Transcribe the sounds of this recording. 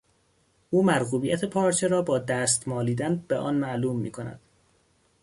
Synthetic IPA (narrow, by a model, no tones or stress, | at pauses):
ʔuːmæɾɣuːbijæt̪ʰepʰɒːɾt͡ʃʰeɾɒːbɒːd̪æːst̪mɒːliːd̪ænb̥eʔɒːnmæʔluːmːḭːkʰo̞næ̰d̪̥